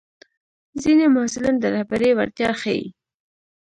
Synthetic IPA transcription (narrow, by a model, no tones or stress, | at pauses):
zinemʊhsɪland̪əɾahbaɾewa̰ɾt̪jɑxajḭ